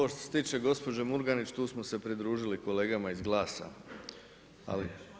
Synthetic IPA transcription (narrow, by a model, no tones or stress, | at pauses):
ooʃt̪oset̪iːt͡ʃe̞ɡo̞spo̞d͡ʒemuɾɡanit͡ʃt̪uːsmose̞pɾid̪ɾuːʒiliko̞le̞ːɡamaizɡlˠaːsa̰ | a̰lḭ